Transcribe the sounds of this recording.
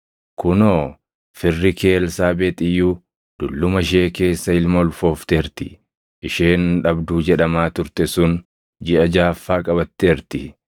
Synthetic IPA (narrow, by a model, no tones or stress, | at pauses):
kʊnoː | fɪrːɪke̞ːlsaːbeːt̪ʼɪjːuː | d̪̥ʊlːʊmɐʃ̬e̞ːke̞ːsːɐɪlmɔlfo̞ːft̪eːɾt̪ɪ | ʔɪʃeːnᶑɐbd̪uːd͡ʒɛᶑɐmaːt̪ʊɾt̪ɛsʊn | d͡ʒɪʔɐd͡ʒaːfːaːkʼɐbɐt̪ːeːɾt̪ɪ